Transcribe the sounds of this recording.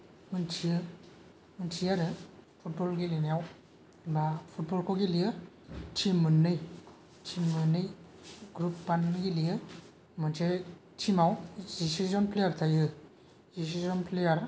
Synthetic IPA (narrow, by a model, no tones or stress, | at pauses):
mɯntʰiɯ | muntʰiaɾɯpʰut̚bɔlɡilenijaw | mapʰut̚bɔlkʰoɡilijɯ | tʰimɯnːɯj | tʰimɯnːɯj | ɡɾupːanmiɡilijɯ | mɯntʰe | tʰimawzisizɔnpʰlejaɾt̪ʰajɯ | zis̬izɔnpʰlejaɾ